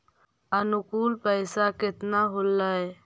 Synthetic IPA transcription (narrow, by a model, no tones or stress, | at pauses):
ənʊkuːlpəɪsakɪt̪naɦolːəj